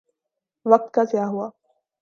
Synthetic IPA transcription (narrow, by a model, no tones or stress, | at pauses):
ʋək̚t̪kakjaɦua